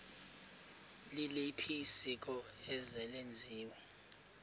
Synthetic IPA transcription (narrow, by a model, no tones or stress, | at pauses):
lilipʰisik̬ʼɔɛzɛlend͡zʱiːwɛ